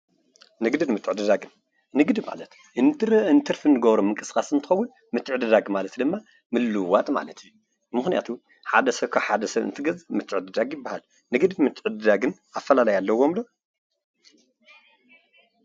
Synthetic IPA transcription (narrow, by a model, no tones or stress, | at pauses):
nɨɡd̪ɨdmɨt̪ʰʼːɨʕɨd̪ɨd̪aɡɨn | nɨɡd̪ɨma̰lɐt̪ | ʔɨnt̪ʰɨɾɨɨnt̪ʰɨɾfɨnɨɡɐβɾomɨŋkʼɨskʼasɨnt̪ʰɨ̥xɐwʊn | mɨt̪ʰːɨʕɨd̪ɨd̪aɡmalɐt̪d̪ɨmːa | mɨlːɨwat̪ʼma̰lɐt̪ʰiu | mɨxnija̰t̪ʰu | ħad̪ɐsɐβkʰaħad̪ɐsɐβɨ̰nt̪ʰɨɡɐzɨmɨt̪ʰːɨʕɨd̪ɨd̪aɡjɪbːahal | nɨɡd̪ɨd̪mɨt̪ʰːɨʕɨd̪ɨd̪aɡɨn | afːɐlalɐjalːɐwo̞mlo